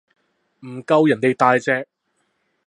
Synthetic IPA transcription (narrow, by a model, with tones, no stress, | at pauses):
m̩˨˩kɐ˧wjɐ˨˩ne˨˧jt̪aː˧jt͡sɛː˧k̚